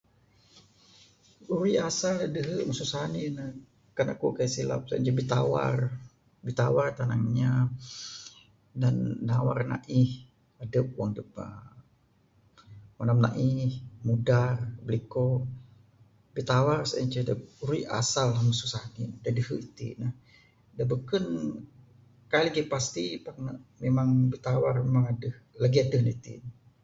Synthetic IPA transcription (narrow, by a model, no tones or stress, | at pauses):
uɾuiasaladəɦəʔməsusaninə | kanakukajasila̰p̚sa̰ʔnt͡ʃəbit̪awa̰r | bit̪awart̪anaŋɲa | danːawarna̰ʔih | ədəp̚waŋdəp̚ə | manamna̰ʔihmudarbliko | bit̪awarsəənt͡ʃədəpɾuiʔa̰salahmususahnḭdadəhəit̪ḭnəh | dabəkən | kaliɡipast̪ipak̚nəʔmemaŋbit̪awarmemaŋadəhlaɡiadəhnət̪ḭn